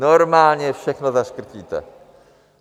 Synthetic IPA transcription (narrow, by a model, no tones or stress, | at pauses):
nɔɾmalɲɛfʂɛxnɔzaskɾt͡ɕit̪ɛ̰